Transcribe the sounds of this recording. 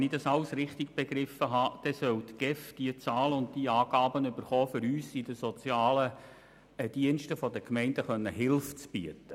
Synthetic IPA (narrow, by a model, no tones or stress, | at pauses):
ɛnɪdɑsɑlsɾɪχt̪ɪɡ̥̚b̥eɡɾɪfəɦɑːd̥ɛsœwt̪ɡ̥ɛfd̥iət͡sɑːləʊnt̚d̥iːɑːɡ̥ɑːbənʏbəɾχɔːfʏɾyːsɪdəsɔt͡sjɑːlə | d̥iənʃtəfɔdəkmɛɪndəχœnːəɦɪlft͡sb̥iətə